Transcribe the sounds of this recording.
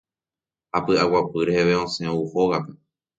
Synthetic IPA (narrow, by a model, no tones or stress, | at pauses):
hapɨawapɨɾeheʋeõsẽuhoɣape